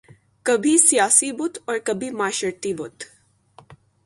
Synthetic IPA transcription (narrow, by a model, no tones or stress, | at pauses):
kɐbʱisijaːsibʊt̪ɔːɾkɐbʱimaːʃəɾt̪ibʊt̪